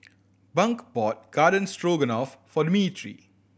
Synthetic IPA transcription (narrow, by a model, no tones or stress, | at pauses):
bʌ̃ŋkbɔːt̚ɡ̥aːɖə̃nsʈɾoːɡə̃nɔːfːɔɖɪmitʰɾḭ